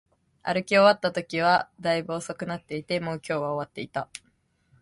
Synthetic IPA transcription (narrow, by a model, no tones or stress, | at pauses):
a̰ɾɯ̟kʲio̞βat̪ːat̪o̞kʲiβ̞ad̪aibo̞ːso̞kɯ̟nat̪ːe̞it̪e̞moːkʲo̞ːβaoβat̪ːe̞it̪a